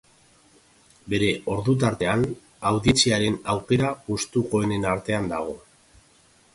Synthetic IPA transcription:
be̞ɾe̞o̞ɾðut̪̬aɾt̪e̞an | awðit͡siaɾe̞nawke̞ɾapust̪uko̞ene̞naɾt̪e̞and̪aɣ̞o̞

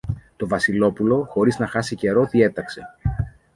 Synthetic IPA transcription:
t̪o̞vɐsilo̞pulo̞xo̞ɾiznɐxɐsice̞ɾo̞t̪ie̞t̪ɐkse̞

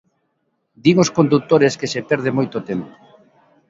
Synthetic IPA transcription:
d̪iŋoskond̪uk̚t̪oɾeskesepɛɾðemojt̪ot̪empo̥

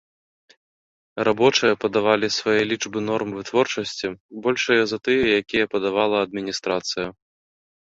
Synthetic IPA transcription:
rʔabɔt͡ʂɨjɐpɐd̪avalʲisvajɛlʲid͡ʐbɨnɔrmvɨt̪vɔrt͡ʂɐsʲt͡sʲibɔlʲʂɐjɐzɐt̪ɨjɛjakʲijɐpɐd̪avalˠɐɐd̪̚mʲinʲist̪ɾat̪sɨjɐ

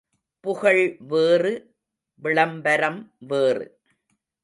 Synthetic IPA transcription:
pʊɣɐɭʋeːrɯ | ʋɪɭɐmbɐɾɐmʋeːrɯ̰

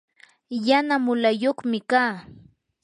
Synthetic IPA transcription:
janamʊlajoχmɪkaː

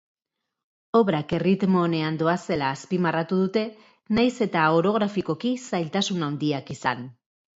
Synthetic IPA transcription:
o̞βɾake̞rit̪mo̞ne̞and̪o̞ase̞laːspimarat̪uð̞ut̪e̞ | najse̞t̪ao̞ɾo̞ɣ̞ɾafiko̞kisajlt̪asunawnd̪iakisa̰n

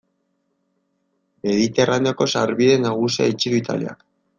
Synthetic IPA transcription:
me̞ðit̪e̞ranoko̞saɾβiðe̞naɣ̞usia̰it͡ʃiɾuit̪a̰lḭa̰k

